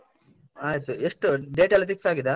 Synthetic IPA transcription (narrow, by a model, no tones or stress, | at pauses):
aːjt̪ueʂʈuɖeːʈalipiksaːɡid̪a